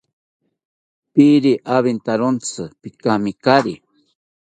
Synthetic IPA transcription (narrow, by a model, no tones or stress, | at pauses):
piɾiʔaβint̪aɾont͡sɨpikamikaɾi